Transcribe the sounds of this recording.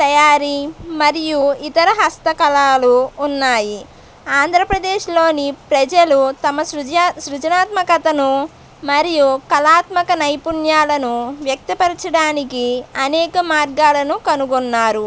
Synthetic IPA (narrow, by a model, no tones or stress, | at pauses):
t̪ɐjaːɾimɐɾijuit̪ɐɾɐɦɐst̪ɐkɐlaːluːnːaːji | aːnd̪ʱɾɐpɾɐd̪eːʃlo̞ːnipɾɐd͡ʒɐlut̪ɐmɐsɾut͡ʃɐnaːt̪mɐkɐt̪ɐnu | mɐɾijukɐlaːt̪mɐkɐnɐjpuɳjaːlɐnuʋjɐk̚t̪ɐpɐɾit͡ʃɐɽaːnikiɐnɛːkɐmaːɾɡaːlɐnukɐnuɡɔnːaːɾu